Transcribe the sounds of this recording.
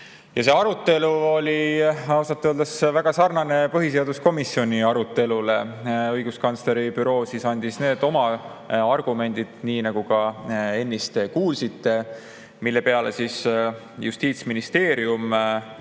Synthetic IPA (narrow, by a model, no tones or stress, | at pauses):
jɑse̞ːɑɾut̪ːˑe̞luolʲiɑwsɑt̪ːˑøld̪esvæɡ̥ɑsɑrnɑne̞pɤɦis̬e̞ɑd̪̥usko̞misjo̞nʲiɑɾut̪ːˑe̞lule̞ɤjɡ̥uskɑnsle̞ɾipyɾo̞ːsisɑnʲd̪̥isne̞ːd̪̥o̞mɑ | ɑrɡ̥ume̞nʲd̪̥id̪̥niːnɑɡ̥ukɑe̞nʲːist̪e̞kuːlsit̪ːe̞ | milːe̞pe̞ɑle̞sis | just̪iːt̪sminist̪e̞ːɾium